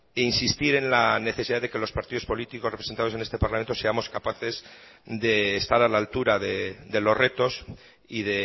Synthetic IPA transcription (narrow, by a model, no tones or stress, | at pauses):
einsist̪iɾe̞nlane̞θeiðaðe̞ke̞lo̞spaɾt̪iðo̞spo̞lit̪ikorepɾese̞nt̪aðoe̞ne̞st̪e̞paɾlamnt̪ose̞amo̞skapaθe̞zd̪e̞ːst̪aɾalaːlt̪uɾaðe̞d̪e̞lo̞zre̞t̪o̞s | iðe̞